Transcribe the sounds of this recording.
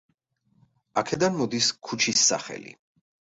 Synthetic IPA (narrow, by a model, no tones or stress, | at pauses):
akʰɛd̪anmɔd̪iskʰut͡ʃʰisːa̰χɛ̰lḭ